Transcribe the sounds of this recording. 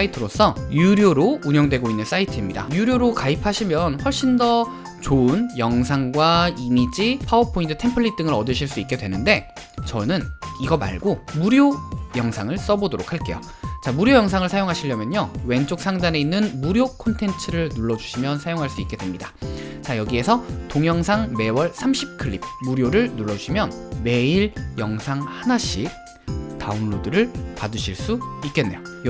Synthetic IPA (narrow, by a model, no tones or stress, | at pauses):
aitʰɯɾos͈ʰʌjuɾjoɾouɲʌŋdwe̞ɡoinːɯns͈aitʰɯimɲida̰juɾjoɾokaipʰaɕʰimjʌnɸwʌɭɕ͈indʌ | t͡ɕonjʌŋsʰaŋɡwaimid͡ʑipʰaʌpʰːointʰɯ̥tʰe̞mpʰɯɭːit͈ɯŋɯɾʌdɯɕʰiɭs͈uik͈e̞dwe̞nɯnde̞ | t͡ɕʌnɯniɡʌma̰ɭɡomuɾjojʌŋsʰaŋɯɭs͈ʌbodoɾokʰaɭk͈e̞̰jo̰ | t͡ɕamuɾjojʌŋsʰaŋɯɭsʰajoŋɦaɕʰiʎːʌmjʌɲowe̞nt͡ɕ͈ok̚s͈ʰaŋdane̞inːɯnmuɾjokʰontʰe̞nt͡ɕʰɯɾɯɭnuɭːʌd͡ʑuɕʰimjʌnsʰajoŋɦaɭs͈uik͈e̞dwemɲida | t͡ɕajʌɡie̞sʰʌtoŋjʌŋsʰaŋme̞wʌɭsʰamɕʰip̚kʰɯɭːip̚ʰmuɾjoɾɯɭnuɭːʌd͡ʑuɕʰimjʌnme̞iɾjʌŋsʰaŋhanaɕʰik̚ | taɯnɭodɯɾɯɭpadɯɕʰiɭs͈uik͈e̞nːe̞jo